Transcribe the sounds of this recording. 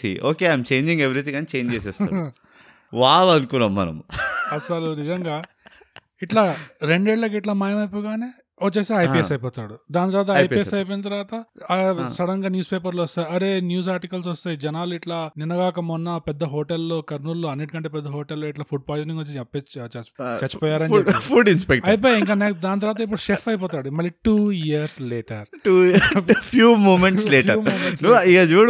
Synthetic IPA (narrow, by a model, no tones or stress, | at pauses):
sḭʔoːkeːɐjmt͡ʃe̞ːɲd͡ʒiŋɡeʋiɾit̪̬iɡaːnit͡ʃe̞ːɲd͡ʒeːsɛːst̪a̰ | ʋaːlɐnukunaːmːɐ̰nɐ̰mɐsɐlunid͡ʒɐŋɡaː | iʈlaːɾe̞ɳɖeːɭlɐk̬iʈlaːmaːjɐmɐjpɔːɡaːneː | ot͡ʃːeːseɐjpiːesɐjpɔːt̪a̰ːɽud̪aːnit̪ɐɾʋaːt̪ɐɐjpiːesɐjp̬ojinɐt̪̬ɐɾʋaːt̪ɐ | sɐɽɐŋɡaːnjuːspeːp̬ɐɾloːɔst̪aːjiɐɾe̞ːnjuːs̬aːɾʈikɐls̬ʋɔst̪aːjid͡ʒɛnaːluiʈlaːninɐɡaːkɐmɔnːɐpɛd̪ːɐɦoːʈelːoːkɐɾnulːoːɐnːeːʈikɐɳʈ̬eːpɛd̪ːɐɦoːʈelːoːiʈlaːpʰuɖ̚paːjzniŋɡʋot͡ʃːiɛpːet͡ʃt͡ʃɐt͡ʃːɐpɔːjaːɾɐnpʰuːɖinspek̚ʈɐjip̬oːjaiŋkanekd̪aːnit̪ɐɾʋaːt̪ɐip̬ːuɽuʃefʰɐjp̬ɔːt̪aːɽumɐlːiʈuːjijɐɾsleːʈɐɾ | ʈuːpʰjuːmoːmeɳʈsleːʈɐɾumomẽsnʋaikat͡ʃuːɽ